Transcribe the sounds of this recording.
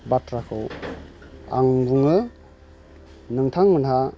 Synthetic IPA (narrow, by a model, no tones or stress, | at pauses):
batɾakʰɯw | a̰ŋbuŋɯ | nɯŋtʰaŋmɯnɦa